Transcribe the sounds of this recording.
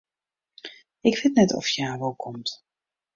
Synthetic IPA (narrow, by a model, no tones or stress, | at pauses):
ɪkʋɪtnɛtɔ̰fjaːʋolˠkʰɔmt